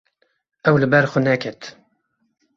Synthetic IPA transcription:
ɛwlɨbɛɾxʊnɛkʰɛt̪

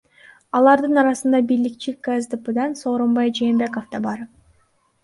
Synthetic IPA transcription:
ɑlˠɑɾd̪ɯnɑɾɑsɯnd̪ɑbilik̚t͡ʃikazd̪ɨpɯd̪ɑnso̞ːɾombɑjd͡ʒeːmbe̞kofd̪ɑbɑɾ

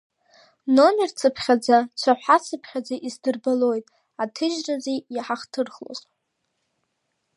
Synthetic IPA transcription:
no̞mert͡sʰɨpʰχʲad͡zat͡ʃʷʰaħʷħat͡sʰɨpʰχʲad͡zaʔizdɨrbalo̞jtʼ | atʰɨʒrazejaħaχtʰɨrχlo̰zʼ

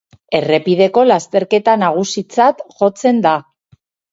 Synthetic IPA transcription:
e̞re̞pið̞e̞ko̞last̪e̞ɾke̞t̪anaɣ̞usit͡sat̪ʝo̞t͡se̞nd̪a

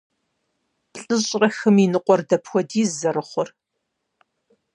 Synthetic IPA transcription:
pɬʼɨɕʼrɐxɨminɨqʷɔrdɐpʰxʷɔdiːzzɐɾɨχʷɔr

